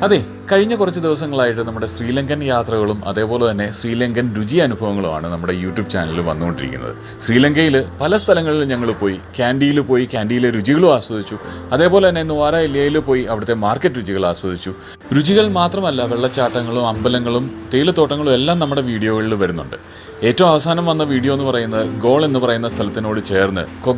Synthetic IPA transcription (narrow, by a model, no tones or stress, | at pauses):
ɐðe | kɐɻiɲːɐkurɐt͡ɕːɨd̪iʋɐsɐŋːɐɭaːjiʈ̬ːɨnɐmːuɽe̞sriːlɐŋɡɐnjaːt̪rɐɣɐɭumʔɐ̰ðe̞ːpo̞ːle̞t̪ɐnːe̞sriːlɐŋɡɐnɾud͡ʑiɐnubʱɐʋɐŋːɐɭuma̰ːɳɨnɐmːuɽe̞juːʈjuːb̚t͡ɕa̰ːnɐluʋɐ̰nːuɣoɳɖiɾikʲːunːɐ̰ðɨ̰ | ɕriːlɐŋɡɐjilpɐlɐst̪ʰɐlɐŋːɐɭilɲɐŋːɐɭupo̞ːjikʲaːɳɖijilupo̞ːjikʲaːɳɖijileɾud͡ʑiɣɐɭumaːɕwɐd̪it͡ɕːuɐðe̞ːpo̞ːlet̪ɐnːe̞inːɨʋaːɾaːelijaːjilupo̞ːjiɐʋiɽɐt̪ːe̞maːrkːɐtːɨɾud͡ʑiɣɐɭaːɕwɐd̪it͡ɕːu | ɾud͡ʑiɣɐɭmaːt̪rɐmɐlːɐʋeɭːɐt͡ɕːaːʈːɐŋːɐɭumɐmbɐlɐŋːɐɭumt̪ejilɐt̪ːoːʈːɐŋːɐɭume̞lːaːmnɐmːuɽe̞ʋiːɽijo̞ːɣɐɭiluʋɐɾunːuɳɖɨ̰ | e̞ːtːɐʋumɐʋɐsaːnɐmʋɐnːɐʋiːɽijoenːɨpɐrɐjunːɐðɨɡo̞ːɭenːɨpɐrɐjunːɐst̪ʰɐlɐt̪ːino̞ːɽɨt͡ɕe̞ːrnːɨ̰ko